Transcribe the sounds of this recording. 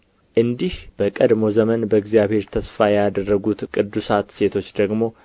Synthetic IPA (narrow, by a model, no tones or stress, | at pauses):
ʔɨnd̪ihb̥əkʼəd̪mo̞zəmənbəɨɡzjaβhe̞ɾt̪ʰəsfajad̪ərːəɡut̪kʼɨd̪ːusat̪se̞t̪ʰo̞t͡ʃːd̪əɡmo̞